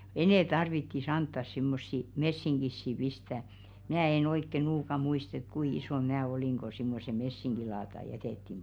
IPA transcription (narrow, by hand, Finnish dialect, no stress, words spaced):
enɛˑ tɑrʋitːis ɑntːɑs simːosːi mesːiŋɡ̊isːi pistæː mnæː en oikːe nuːkɑ muist et kui isoˑn mnæː oliŋ ɡ̊o simːose mesːiŋɡ̊ilɑːtɑ jæteˑtːim